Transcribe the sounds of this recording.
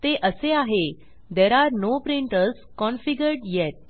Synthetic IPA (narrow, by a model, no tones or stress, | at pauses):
t̪eʔəseaɦe | d̪ɛɾaɾnopɾiɳʈəɾs | kɔ̃nfiɡəɾɖjɛʈ̚